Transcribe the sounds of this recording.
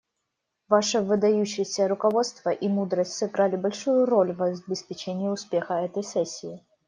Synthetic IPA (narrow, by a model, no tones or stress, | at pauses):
vaʂɨvɨd̪ɐjuɕːɪjsʲəɾʊkɐvo̞t̪st̪vəʔimud̪ɾəsʲtʲsɨɡɾalʲɪbɐlʲʂujʊɾo̞lʲvɐbʲɪspʲɪt͡ɕenʲɪɪʊspʲexəɛt̪əjsɛsʲːɪː